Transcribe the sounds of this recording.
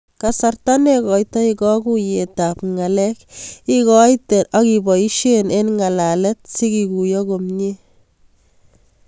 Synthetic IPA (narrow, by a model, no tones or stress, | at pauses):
kasartanekɔjtɔikɔkujetapŋalɛkikɔjtɛɾakibɔiʃenenŋalalɛt̚sikikujɔkomɲe